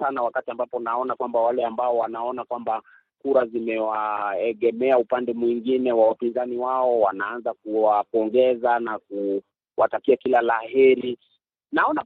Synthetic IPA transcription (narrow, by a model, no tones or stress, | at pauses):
anawakatiambapɔnaɔnakwambawalɛambaɔwanaɔnakwamba | kuɾazimɛwaɛɠɛmɛaupandɛmwiŋɡinɛwawapinzaniwaɔwanaanzak̚uwapɔŋɡɛzanaku | watakiakilalahɛɾi | naɔna